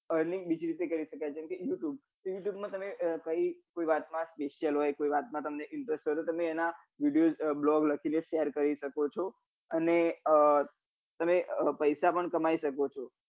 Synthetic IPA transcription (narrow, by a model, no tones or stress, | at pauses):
əɾnibid͡ʒiɾit̪ekəɾiʃəkajt͡ʃʰɛmkejuʈjub̪̚ | juʈjubmãt̪əmekəikoiʋat̪mãspeʃjəlɦojkoiʋat̪̚mãt̪əmneʔɪɳʈɾesʈɦojt̪ot̪əmeena | ʋiɖijod͡ʒblɔɡləkʰineʃejəɾkəɾiʃəkot͡ʃʰɔ | əneə | t̪əmepəjsapəɳkəmaiʃəkot͡ʃʰɔ